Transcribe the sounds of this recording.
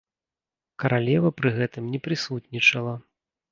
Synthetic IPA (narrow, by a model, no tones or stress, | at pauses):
kɐɾʔalʲɛvɐpɾɨɣɛt̪ɨmnʲɛpɾɨsut̪nʲit͡ʂɐlˠɐ